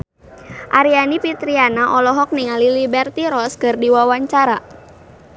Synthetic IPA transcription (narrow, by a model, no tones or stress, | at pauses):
ʔaɾianipit̪ɾianaʔɔlɔɦɔk̚niŋalilibɛrt̪iɾɔskɨrdiwawaɲt͡ʃaɾa